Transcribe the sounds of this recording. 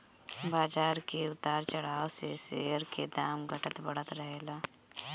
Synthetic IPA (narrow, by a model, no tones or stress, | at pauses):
baːd͡ʒaːɾkeʊt̪aːɾt͡ʃəɽ̤aːʋseseəɾked̪aːmɡʱəʈət̪bəɽ̤ət̪ɾəɦelaː